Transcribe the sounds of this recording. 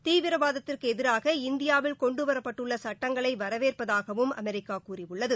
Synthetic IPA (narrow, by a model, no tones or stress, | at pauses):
t̪iːʋɪɾɐʋaːðɐt̪ːɪrkɯɛðɪɾaːɣɐɪnd̪ɪjaːʋɪlkɔɳɖɯʋɐɾɐpːɐʈːɯɭːɐsɐʈːɐŋɡɐɭɐɪʋɐɾɐʋeːrpɐðaːɣɐʋɯmɐ̰mɛɾɪkːaːkuːrɪʋʊɭːɐðɯ